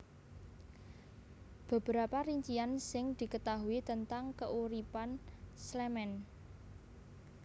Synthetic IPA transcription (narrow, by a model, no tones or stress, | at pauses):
b̥ə̤b̥əɾapaɾiɲt͡ʃiansɪŋd̪̥i̤kət̪aɦuit̪ənt̪aŋkəʔuɾipanslɛmɛn